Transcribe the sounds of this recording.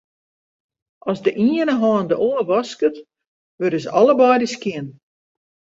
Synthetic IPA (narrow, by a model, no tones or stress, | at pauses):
ʔɔzdəʔiənəɦɑːndəʔoːəʋɔskət | ʋøɾəsəɔləbɔjdəskjɪn